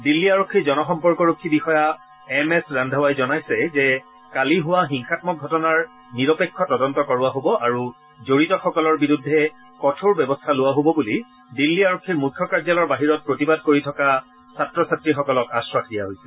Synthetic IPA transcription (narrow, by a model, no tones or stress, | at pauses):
dilːiaɹokʰːizɔnɔxɔmpɔɹkɔɹokʰːibixɔja | ɛmɛsɹandʱawajzɔnajsɛzɛ | kaliɦʊwaɦiŋxat̚mɔk̚ɡʱɔtɔnaɹ | niɹɔpekʰːɔtɔdɔntɔkɔɹʊaɦobɔʔaɹu | zoɹitɔxɔkɔlɔɹbiɹudʱːɛ | kɔtʰoɹbɛbɔstʰalʊwaɦobɔbuli | dilːiaɹokʰːiɹmujkʰːɔkaɹzalɔɹbaɦiɹɔt̚pɹotibad̚koɹitʰɔka | satɹɔsatɹixɔkɔlɔkaswakʰdijaɦojsɛ